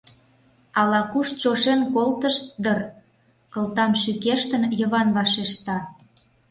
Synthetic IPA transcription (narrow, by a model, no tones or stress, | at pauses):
ɑlɑkuʃt͡ɕoʃenkolt̪əʃt̪̚d̪ər | kɤ̆lt̪ɑmʃykeʃt̪ə̆njə̆βɑnβɑʃeʃt̪ɑ